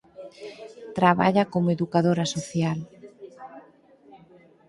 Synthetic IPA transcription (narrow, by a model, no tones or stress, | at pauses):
t̪ɾaβa̰ʎakomoeðukaðoɾasoθjal